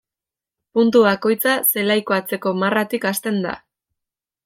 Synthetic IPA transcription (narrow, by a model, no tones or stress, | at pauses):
punt̪uβako̞jt͡sase̞lajkoat͡se̞ko̞marat̪ikast̪e̞nd̪a̰